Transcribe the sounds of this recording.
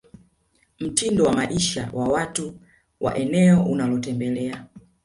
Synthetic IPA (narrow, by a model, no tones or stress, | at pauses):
m̩tindɔwamaʔiʃa̰wʔawatu | wʔa̰ʔɛnɛɔunalɔtɛmbɛlɛa